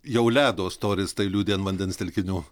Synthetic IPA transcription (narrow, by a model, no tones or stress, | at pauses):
jɛʊlʲæːd̪oːst̪oːɾʲɪst̪ɐɪlʲuːd̪ʲeːnʋɐnʲd̪ʲɛnst̪ʲɛlʲkʲɪnʲuː